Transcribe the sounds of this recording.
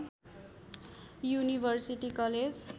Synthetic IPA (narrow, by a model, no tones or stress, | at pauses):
junibʱʌrsiʈikʌled͡z